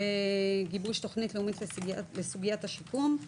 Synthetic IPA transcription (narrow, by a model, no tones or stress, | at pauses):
eɡibuʃt̪oχnitleumitlesɡalesuɡijataʃikum